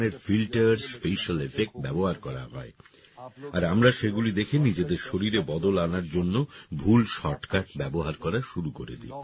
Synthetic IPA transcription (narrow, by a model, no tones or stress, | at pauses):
eɾfilʈaɾspeʃalefek̚ʈ̚bɛboɦaɾkɔɾa̰ɦɔ̰e | aɾamɾaʃeɡulid̪ekʰinid͡ʑed̪eɾʃoɾiɾebɔd̪olanaɾd͡ʑonːobʱulʃɔʈkaʈbɛboɦaɾkɔɾaʃuɾukoɾḛd̪ḭ